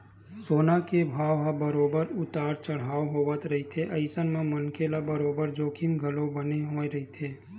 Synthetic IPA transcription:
soːnakebʱaːʋɦabəɾoːbəɾʊt̪aːɾt͡ʃəɽ̤aːoɦoːʋət̪ɾɐɦit̪ʰeʔɐɪsənmẽmɐnkʰelabəɾoːbəɾd͡ʒoːkʰimɡʱɐlõbəneɦõːeɾɐɦit̪ʰeː

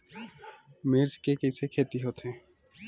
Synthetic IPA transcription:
meɾskekesekʰet̪iɦot̪ʰẽ

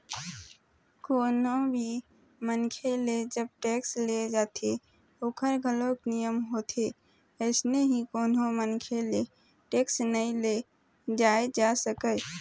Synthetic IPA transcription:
koːnobʱi | mənkʰeled͡ʒəb̚ʈeksled͡ʒat̪ʰe | oːkəɾɡʱəloknijəmɦot̪ʰe | əɪsneɦikoːnomənkʰele | ʈeksnəĩle | d͡ʒaed͡ʒasəkə

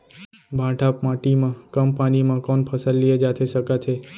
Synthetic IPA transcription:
bʱãʈʰapmãʈimãkəmpaɽimãkɔnpʰəsəlːied͡ʒat̪ʰeʃəkat͡ʃ̪ʰe

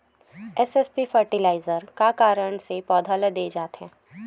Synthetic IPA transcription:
ɛsɛspifəɾʈɪlaːɪzəɾkakaːɾəɳ̃sepɔːd̪ʱaːləd̪eːd͡ʒaːt̪ɦɛ̃ː

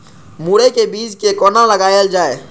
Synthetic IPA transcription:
muːɽekebiːd͡ʒkekɔːnãləɡaːjəld͡ʒaːeː

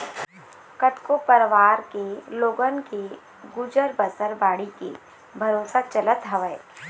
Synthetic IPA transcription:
kɐʈkopəɾʋaːɾkeloːɡənke | ɡud͡ʒəɾbəsəɾbaːɽikḛ | bʱɐɾoːsat͡ʃɐlət̪ɦɐʋəe

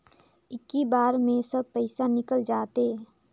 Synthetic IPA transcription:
ɪkːibaːɾmẽsəb̚pəɪsanɪkəld͡ʒaːt̪e

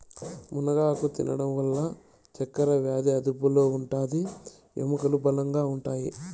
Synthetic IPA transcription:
munɐɡaːkut̪ḭnɐɽɐmʋɐlːɐ | t͡ʃɐkːɐɾɐʋjaːd̪iɐd̪upulo̞ːuɳʈaːd̪i | ḛmɐkɐlubɐlɐŋɡaːuɳʈaːji

